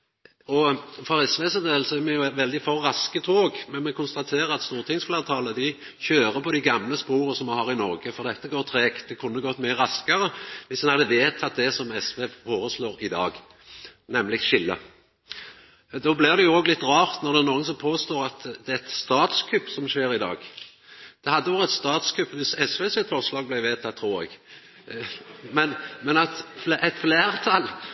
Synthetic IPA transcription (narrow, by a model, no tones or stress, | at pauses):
ɔfɔʁɛsʋeːsəd̪eːl̩sɔɛmɛjʊʋɛld̪ɪfɔʁːɑskət̪ʰoːɡmɛnmɛkʰʊnst̪ɑt̪ʰeːʁəɾɑt̪st̪uːʁt̪ʰɪŋsfleːʁt̪ʰɑːləd̪ɪ | çøːɾəpɔd̪æɡɑmləspuːɾəsɔmːɑnhɑːʁɪnɔʁɡəfɔʁd̪ɛt̪ːəɡoːɾt̪ʰɾeːkt̪̚d̪ɛkʰʉnːəɡɔt̪ːmyəʁɑskəʁəʋɪsɛnhɑd̪əʋeːt̪ʰɑt̪̚d̪ɛsɔmɛsʋeːfoːɾəsloːɾɪd̪ɑ̰ːɡ | nɛmlɪɡʃɪlːə̰ | d̪ɔblɪʁd̪ɛjʊoːɡlɪt̪ːʁɑːʁt̪nɔʁɾd̪ɛæʁnuːənsɔmpʰoːst̪oːʁɑt̪d̪ɛæɛt̪st̪ɑːt̪skʰʉpːsɔmʃeːɾɪd̪ɑ̰ːɡ | d̪̥ɛhɑd̪ːəɔɡɛt̪st̪ɑːt̪skʰʉpːʋɪsɛsʋeːsɪt̪fɔʁslɑːɡ̚blæɪʋeːt̪ʰɑt̪ʰːɾuːɾɛ̰ɡ | mɛnmɛnɑt̪fʔɛt̪fleːʁt̪ʰɑlː